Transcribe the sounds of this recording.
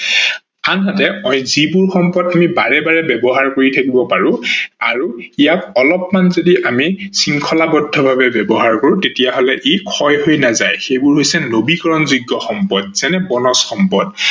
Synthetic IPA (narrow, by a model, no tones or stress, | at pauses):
anɦatɛɔjzibʊɹxɔmpɔdamibaɹɛbaɹɛbɛbɔɦaɹkoɹitʰakibɔpaɹʊ̃aɹuijak̚ɔlɔp̚manzodiʔamisiŋkʰɔlabɔdʱːɔbʱabɛbɛbɔɦaɹkoɹʊ̃tetijaɦɔlɛʔikʰɔjɦojnazajxejbʊɹɦojsɛnobikɔɹɔnzuɡːɔxɔmpɔd̚z̥ɛnɛbɔnɔsxɔmpɔd